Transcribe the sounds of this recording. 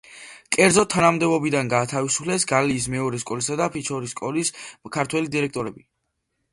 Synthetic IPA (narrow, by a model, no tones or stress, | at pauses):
kʼɛɾd̪zɔt̪ʰːanamd̪ɛbɔbid̪anɡaːt̪ʰavisu̥pʰlɛsɡaliːs̬mɛɔɾɛskʼɔlisad̪apʰit͡ʃʰɔɾiskʼɔliskʰaɾt̪ʰwɛlid̪iɾɛk̚ʰt̪ʼɔɾɛbi